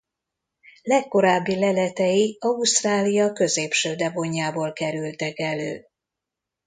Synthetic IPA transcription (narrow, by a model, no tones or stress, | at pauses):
lɛkːo̞ɾaːbːilɛlɛt̪ɛjiɒust̪raːlijɒkø̞zeːpʃøːd̪ɛboɲːaːboːlkɛɾylt̪ɛkɛløː